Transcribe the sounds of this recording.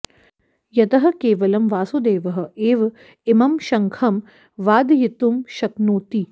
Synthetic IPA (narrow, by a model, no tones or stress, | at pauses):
jɐt̪ɐɦɐ̆keːʋɐlɐmʋaːsud̪eːʋɐɦɐ̆eːʋ | ɪmɐmʃɐŋkʰɐm | ʋaːd̪jit̪umʃɐknoːt̪i